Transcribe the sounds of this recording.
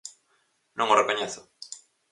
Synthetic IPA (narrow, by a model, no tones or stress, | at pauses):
nõŋorekoɲeθʊ̥